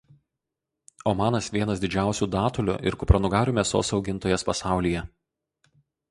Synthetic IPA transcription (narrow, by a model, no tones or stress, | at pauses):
oːmɑːnɐsʋʲiɛnɐsd̪ʲɪd͡ʒʲæˑʊsʲuːd̪ɑːt̪ʊlʲʊ̰ʔɪ̰ɾkʊpɾɐnʊɡɑːɾʲuːmʲeɛso̰ːsɒʊɡʲɪnt̪oːjɛspɐsɑˑʊlʲijɛ